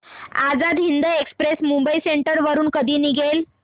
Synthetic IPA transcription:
ad͡zad̪ɦind̪əekspɾesmumbəiseɳʈəɾʋəɾuːnkəd̪ʱiːniɡʱel

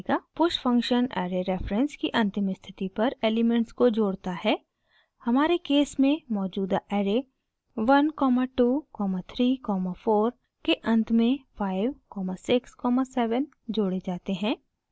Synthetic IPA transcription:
kapʊʃfɐ̃ŋkʃənɛ̰ːɾeɾɛːfɾə̃nskiʔɐ̃nt̪ɪmɪst̪ʰɪt̪ipɐɾeːlɪmɛ̃ɳʈskod͡ʒoːɽt̪aɦɛː | hɐmaːɾekeːsmẽmɔːd͡ʒuːd̪aʔɛːɾe | ʋɐnkɔːmaʈuːkɔːmat̪ʰɾiːkɔːmafoːɾ | keʔɐ̃nt̪ʰmẽfʰaːɪʋkɔːmasɪkskɔːmasɛːʋən | d͡ʒoːɽed͡ʒaːt̪eɦɛ̃ː

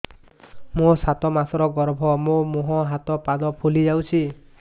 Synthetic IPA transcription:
mosat̪ɔmasɔɾɔɡɔɾbʱɔmomoɦɔ̃ɦat̪ɔpad̪ɔpʰulid͡ʒawt͡ʃʰi

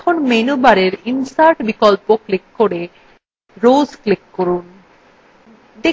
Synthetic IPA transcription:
kʰonmenubaɾeɾinsaɾʈbikɔlpoklikːoɾe | ɾozklikːoɾun | d̪e

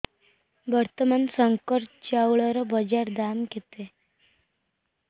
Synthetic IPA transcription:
bəɾt̪əmansəŋkəɾt͡ɕawɭəɾəbəd͡ʑaɾd̪amket̪e

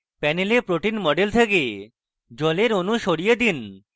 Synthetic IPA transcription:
pɛnelepɾoʈinmɔɖelt̪ʰeke | d͡ʑɔleɾonuʃoɽijed̪in

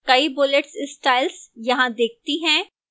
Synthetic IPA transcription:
kɐibʊleʈsɪsʈaːɪlsjɐɦãd̪eːk̚t̪iɦɛ̃ː

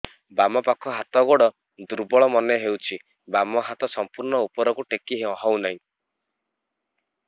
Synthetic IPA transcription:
bamɔpakʰɔɦat̪ɔɡɔɽɔ | d̪uɾbɔɭɔmɔneɦewt͡ʃʰi | bamɔɦat̪ɔsɔmpuɾɳɔupɔɾɔkuʈekiɦeɔɦɔwnaɦĩ

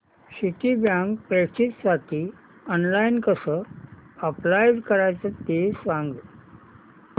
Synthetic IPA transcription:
siʈibjãŋkpet͡ɕiːt͡ssaʈiː | ɔnlainkəsəəplajɖkəɾajt͡sət̪esʋãŋɡ

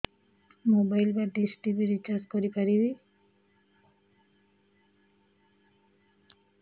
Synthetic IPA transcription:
mobajlbaɖisʈibiɾid͡ʒaskoɾipaɾibi

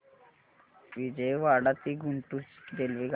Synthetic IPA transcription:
ʋid͡ʑejʋaɽat̪iːɡʱuɳʈusɡelʋiɡ

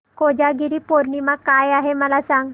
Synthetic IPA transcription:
kod͡ʑaɡiɾiːpoɾɳimakajaɦeməlasãŋɡ

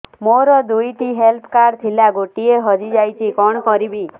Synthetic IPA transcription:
moɾɔd̪ujʈiɦelpʰkaɾt̪ʰilaɡoʈieɦɔd͡ʒid͡ʒajt͡ʃʰikɔɳ̃ɔkɔɾibi

